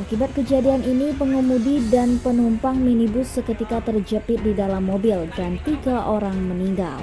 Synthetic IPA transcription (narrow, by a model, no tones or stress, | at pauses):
ʔakibat̪̚kəd͡ʒadianinipəŋumudidanpənumpaŋminibʊsəkət̪ikat̪ərd͡ʒəpɪt̪̚didalamːobɪldantt̪iɡaʔoɾaŋməniŋɡa̰l